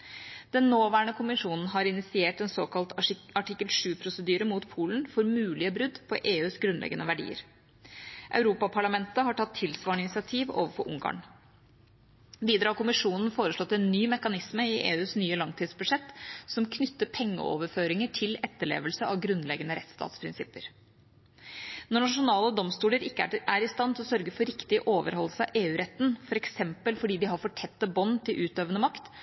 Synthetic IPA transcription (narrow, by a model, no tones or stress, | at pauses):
d̪̥ɛnːoːʋæːɳəkʰʊmɪʂuːnn̩ɦɑɾɪnɪsɪeːʈɛnsoːkɑlt̪ɑʈɪkːəlʂʉːpʰɾʊsəd̪yːɾəmuːt̪pʰuːln̩fɔɾmʉːlɪəbɾʉd̪pʰɔʔeːʉːsɡɾʉnlɛ̰ɡənəʋæɖḭːə̰ɾ | ʔɑ̰ʉɾuːpɑpʰɑɭɑmɛnt̪əhɑʈʰɑt̪ʰːɪlsʋɑːɳɪnɪsɪɑt̪ʰiːʋo̰ːʋəfɔʔʊ̰ŋɡɑ̰ːɳ | biːd̪ɾɑːɾkʊmɪʂuːnn̩foːɾəʂɭɔt̪ːɛnːyːmɛkɑnɪsməɪʔḛːʉːsnyːəlɑŋt̪ʰiːd̪sbʉd̪ʂɛt̪ːsɔmkʰnʏt̪ːəpʰɛŋːə̰o̰ːʋəɾføːɾɪŋəʈʰɪlɛt̪ːəɭḛːʋəlsəɑʋɡɾʉnlɛɡənəɾɛt̪st̪ɑ̰ːt̪spʰɾɪnsɪpːəɾ | nɔɳɑʂʊnɑːləd̪ɔmst̪uːləɾɪkːəʔæɾɪst̪ɑnt̪ʰɪlɔsœɾɡəfɔɾɪkt̪ɪʔoːʋə̰ɾhɔlːəsəɑʔeːʉːɾɛt̪ːn̩fɔɾɛksɛmpəlfɔɖiːd̪ɪɦɑɾfɔʈʰɛt̪ːəbɔnːt̪ʰɪlʔʉːt̪øːʋənəmɑkt̪